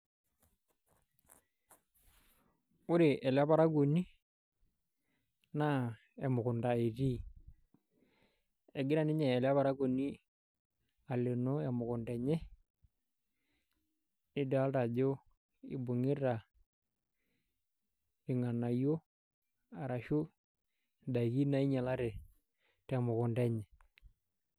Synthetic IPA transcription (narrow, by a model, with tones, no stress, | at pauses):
ʊ˦ɾɪ˨ʔɛ˨la˦pa˦ɾa˦ɡo˨ni˦ | na˦ | ɛ˨mʊ˨kʊ˨nda˨e˨ɾi˦ | ɛ˨ɡɪ˦ɾa˨nɪ˦ɲɛː˨la˦βa˨ɾa˦ɡo˨ni˦ | a˨le˨no˦ɛ˨mʊ˨kʊ˨ndɛ˨ɲɛ˦ | nɪ˦dɛ˨a˦lta˨d͡ʒo˦ | ɪ̰˨bʊ˨ŋɪ˦ɾa˨ | ɪ˨ŋa˨na˨jo˦ | a˨ɾa˨ʃu˦ | da˨i˨ki˦na˨˦i˦ɲa˨la˦ɾɛ˨ | tɛ˨mʊ˨kʊ˨ndɛ˦ɲɛ˨